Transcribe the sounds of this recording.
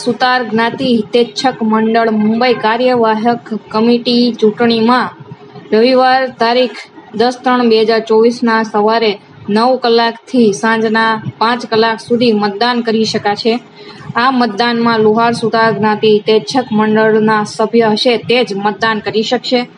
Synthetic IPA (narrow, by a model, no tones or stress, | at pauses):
sut̪aɾɡnat̪it̪et͡ʃʰəkməɳɖəɭmũmbəikaɾjəʋaɦəkːəmiʈit͡ʃũʈɳimã | ʋjəʋiʋaɾt̪aɾikʰd̪əst̪ɾəɳbeɦəd͡ʒaɾt͡ʃoʋisnasəʋaɾe | nəʋkəlːakt̪ʰisãd͡ʒnapãt͡ʃkəlːaksud̪ʱimət̪̚d̪ankəɾiʃəkat͡ʃʰe | amət̪̚d̪anmãluɦaɾsut̪aɾɡnat̪it̪et͡ʃʰəkməɳɖəɭnasəbʱjəɦəʃet̪ed͡ʒmət̪̚d̪ankəɾiʃəkʃe